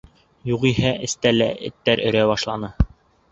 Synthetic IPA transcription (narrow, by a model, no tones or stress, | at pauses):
juʁiɦæʔɘ̆st̪ælæʔɘ̰̆t̪ːæɾɵ̆ɾæbɑʃlˠɑnɤ